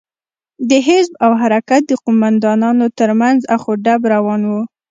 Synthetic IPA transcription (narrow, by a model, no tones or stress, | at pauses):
d̪əɦɪzbawɦaɾakat̪̚d̪əqʊmand̪ɑnɑnot̪əɾmanzaxoɖabɾawɑnwu